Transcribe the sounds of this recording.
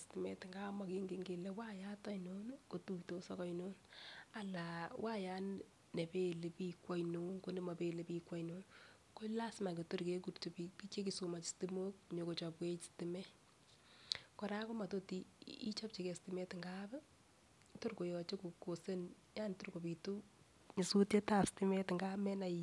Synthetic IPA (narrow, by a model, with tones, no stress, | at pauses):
sti˨mɛ̰˦tŋɡa˦ma˨ke˦ŋɡe˨ŋɡe˨le˦wa˦ja˦tɔ˦jno˦n˦ko˨tu˦kto˨sɔ˦kɔ˦jno˦na˨la˨wʔa˦ja˦n | ne˨pe˦˨le˨pi˦kwɔ˦jno˨nko˦nde˦ma˨pe˨le˨pi˦kwɔ˦jno˨n | ko˦la˦sma˨ke˨to˦ɾke˦k̬u˨ɾto˨pipi˦t͡ʃe˦k̬i˨so˨ma˨t͡ʃi̥˨sti˦mo˦k̚ɲo˨ko˨t͡ʃɔ˨pwe˦t͡ʃi̥stɪ˨mɛ˦ | kɔ˨ɾa˦ko˦ma˨to˦ti˦ḭ˦t͡ʃɔ˦p̚t͡ʃi˨ke˨stɪmɛ˦tŋɡabɛ˦ | to˦ɾko˨jɔ˨t͡ʃe˦ku˨ko˨se˦n | ja˦nto˦ɾko˨pi˨tu˦ | ɲi˨su˦tje˦ta˦sti˦mɛ˦tŋɡa˦mɛ˦na˨i